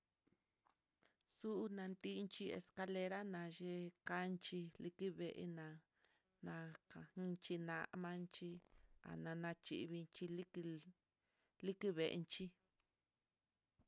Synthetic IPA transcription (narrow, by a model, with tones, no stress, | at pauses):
su˦ʔu˦nã˨˧nt̪i˦˧nt͡ʃi˧ḛ˧ska˧le˧ɾa˦nã˨ʒe˦˧ka˦nt͡ʃi˧li˧ki˦βe˨ʔḛ˧nã˨ | nã˧a˧˦nt͡ʃi˧nã˧ʔmã˦nt͡ʃi˧a̰˨nã˨˧nã˧t͡ʃḭ˧˨˧βi˧nt͡ʃi˧l | li˦ki˦βe˨ʔnt͡ʃi˦